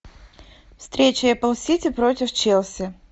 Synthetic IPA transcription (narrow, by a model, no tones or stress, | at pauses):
fst̪ɾʲet͡ɕɪjɐpɐlˠsʲitʲɪpɾotʲɪft͡ɕelˠsʲɪ